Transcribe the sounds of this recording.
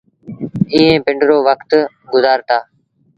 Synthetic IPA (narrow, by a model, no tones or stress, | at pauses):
ĩːẽːpɪ̃ɳɖɾoːʋəkt̪ | ɡʊzaːɾt̪aː